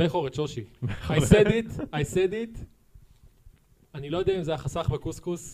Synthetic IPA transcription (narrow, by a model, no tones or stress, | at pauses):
beχoʁet̪ʃoʃiajsed̪it̪ajsed̪it̪ | anilo̞jod̪ɛaimzeajaχasaχbekuskus